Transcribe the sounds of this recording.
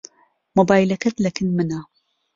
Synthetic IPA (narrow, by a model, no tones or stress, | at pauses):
mobaːjlakɐt̪lakɪnmɪna